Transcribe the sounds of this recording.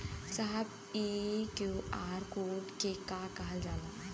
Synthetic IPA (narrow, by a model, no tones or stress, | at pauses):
saɦəb | iːkjuaːɾkoːɖkekakaɦəld͡ʒaːna